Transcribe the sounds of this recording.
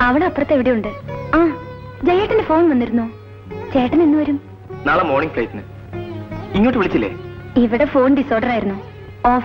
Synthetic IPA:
ɐʋiɽeɐpːrɐt̪ːeʋiɽejuɳɖɨaː | d͡ʑejːeːʈːindefo̞ːnʋɐnːiɾunːoː | d͡ʑejːɐʈːɐnenːuʋɐɾum | naːlɐmo̞ːrɳiŋplejt̪inɨ̰ | iŋːoːʈːɨʋiɭit͡ɕːilːḛːiʋiɽe̞fo̞ːnɖiso̞ːɖɐraːjiɾunːu | oː

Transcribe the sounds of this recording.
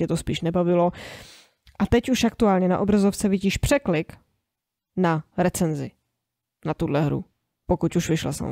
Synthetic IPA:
ɛt̪ospiːʃnɛbavɪlo̞ | ʔat̪ɛcuʃakt̪uaːlɲɛna̰ʔobɾazoft͡sɛvɪɟiːʃpr̥ɛklɪk | naɾɛt͡sɛnzɪ | nat̪udlɛɦɾṵ | pokucuʃvɪʃlɛ̰sɛ̰m̰

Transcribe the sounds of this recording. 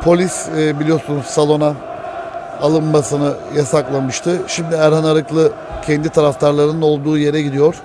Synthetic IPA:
pʰo̞lʲisbilʲijo̞ɾsunuz̥salˠo̞na | alˠɯnmasɯnɯjasaklˠamɯʃt̪ʰɯʃimd̪ɪæɾhanaɾɯklˠɯ | cʰɛnd̪it̪ʰaɾaft̪ʰaɾlˠaɾɯnɯno̞lˠd̪uːje̞ɾɛɟid̪ijo̞ɾ̥

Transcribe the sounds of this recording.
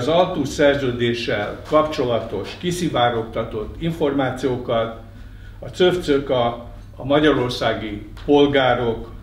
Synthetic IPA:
zɒlt̪uʃsɛrzøːd̪eːʃɛ̰lkɒpt͡ʃo̞lɒt̪o̞ʃkisivaːɾo̞kt̪ɒt̪o̞t̪ːiɱfo̞rmaːt̪sijoːkɒt̪ | ɒt̪søft̪søkɒ | ɒmɒɟɒɾo̞rsaːɡi | po̞lɡaːɾo̞k

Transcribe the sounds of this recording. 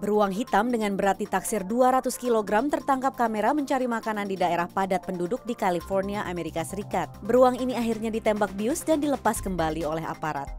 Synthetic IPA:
bəɾuaŋɦit̪amdəŋanbəɾat̪it̪aksɪrduaɾat̪ʊskiloɡɾamt̪ərt̪aŋkap̚kameɾaməɲt͡ʃaɾimakanandidaeɾahpadat̪̚pəndudʊk̚dikalifɔrniaʔameɾikasəɾikat̪̚bəɾuaŋiniaɦirɲadit̪ɛmbak̚biʊsdandiləpaskəmbaliolɛɦa̰paɾa̰t̪̚

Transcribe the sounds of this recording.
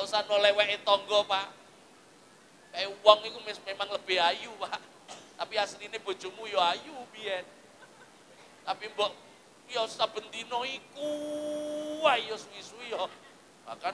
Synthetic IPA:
ausanolɛwɛʔet̪ɔŋɡɔpaʔ | kajowɔŋikumesmemaŋləb̥e̤hajupaʔ | t̪apiasɾineb̥o̤̥ʒ̥o̤mujɔajubiɛn̚ | t̪apimbɔʔ | jɔsab̥ə̤nt̪inɔiku | waijɔsuisujɔ | ba̰ka

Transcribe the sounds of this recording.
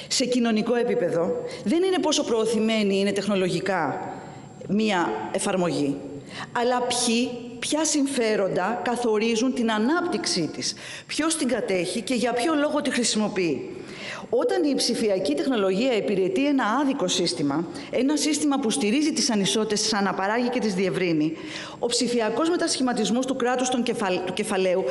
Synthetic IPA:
se̞cino̞niko̞e̞pipe̞ðo̞ðe̞nine̞po̞so̞pɾo̞ːθime̞niine̞t̪e̞xno̞lo̞ʝikɐ | miɐe̞fɐɾmo̞ʝi | ɐlɐpçi | pçɐsiɱfe̞ɾo̞nd̪ɐkɐθo̞ɾizunt̪inɐnɐpt̪iksit̪is | pço̞st̪iŋɡɐt̪e̞çice̞ʝɐpço̞lo̞ɣo̞t̪ixɾisimo̞pii | o̞t̪ɐnipsifiɐcit̪e̞xno̞lo̞ʝiɐepiɾe̞t̪ie̞nɐɐðiko̞sist̪imɐ | e̞nɐsist̪imɐpust̪iɾizit̪isɐniso̞t̪it̪esisɐnɐpɐɾɐʝice̞t̪izðie̞vɾini | o̞psifiɐko̞zme̞t̪ɐsçimɐt̪izmo̞st̪ukɾɐt̪ust̪ot̪uce̞fɐle̞u

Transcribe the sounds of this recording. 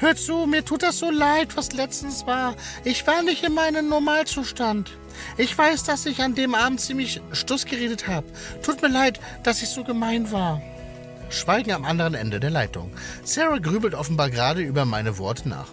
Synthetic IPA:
høːɐt͡suːmiːɐtʰuːt̚d̥asz̥oːlaɪtv̥aslɛt͡stn̩sv̥aːɐʔɪçv̥aːɐnɪçtɪnmaɪnəmnɔɐmaːlt͡suːʃtant | ʔɪçv̥aɪsd̥asɪçandeːmʔaːbm̩tt͡siːmlɪçʃtʊsɡ̥əʁeːdəthaːbə | tʰuːtmiːɐlaɪt | d̥asɪçz̥oːɡəmaɪnvaːɐ | ʃv̥aɪɡŋ̩amʔandəʁ̞ənʔɛ̰ndədeːɐlaɪtʊ̰ŋ | sɛʁaɡʁyːbl̩tʔɔfn̩baːɐɡəʁaːɾəʔyːbɐmaɪnəvɔ̰ɐtʰəna̰ːχ

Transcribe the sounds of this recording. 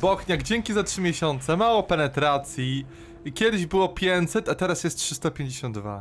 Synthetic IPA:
bɔxɲaɡd͡ʑɛŋkʲizatʂɘmʲjɛɕɔnt̪sɛmawɔpɛnɛt̪ɾat̪sʲji | ikʲɛd̪ɘʑbɘwɔpʲjɛɲt̪sɛt̪at̪ɛɾasjɛst̪̚tʂɘst̪ɔpʲjeɲd͡ʑeɕɔ̃nd̪d̪va̰

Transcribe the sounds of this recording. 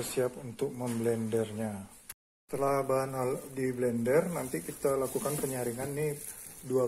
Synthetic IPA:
rsiap̚unt̪ʊk̚məmblɛndɛrɲa | sə̥t̪əlahbaɦanaldiblɛndərnant̪ikit̪alakukanpəɲaɾiŋanːɪhdua

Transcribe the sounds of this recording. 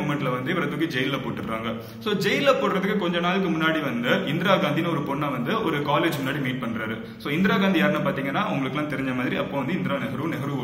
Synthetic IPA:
mɛɳʈːɪlɐʋɐnd̪ɯɪʋɐɾɐðɯkid͡ʒɛjɪllːɐpoːʈːɯkɾa̰ːŋɡɐ | soːd͡ʒɛjɪlːɐpoːʈɾɐðɯkːɯkɔɲd͡ʒɔnaːlɯk̬ːɯmʊnːaːɽiʋɐnd̪ɯʔɪnd̪ɪɾaːɡaːnd̪inɐɔɾɯpɔɳːaːʋɐnd̪ɯɔɾɯkaːleːd͡ʒmʊnːaːɽimiːʈ̚pɐɳːɾaːɾɯ | soːɪnd̪ɪɾaːɡaːnd̪ijaːɾnːapaːɾt̪iːŋɡɐnːaːɐʊ̰ŋɡɐɭɯkːɛlːãːt̪ɛɾɪɲd͡ʒɐmaːðɪɾiɐpːoːʋɐnd̪ɯɪnd̪ɪɾaːnɛɣɐɾuʋnɛɣɐɾuʋ

